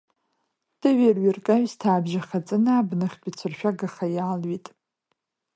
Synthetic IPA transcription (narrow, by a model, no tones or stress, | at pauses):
d̥ɨɥerɥirkʼaɥztʰaːbʒaχʲat͡sʼɨnaːbnɨχʲpʼɪt͡sʷʰɨrʃᶣaɡaχajaːlɥitʼ